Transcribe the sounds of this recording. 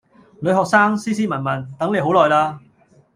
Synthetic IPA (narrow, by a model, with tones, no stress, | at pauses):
lɵ˨˧ɥhɔː˨k̚saː˥ŋsiː˥siː˥mɐ˨˩nmɐ˨˩nt̪ɐ˨˥ŋle˨˧jɦo˨˥wlɔː˨jlaː˧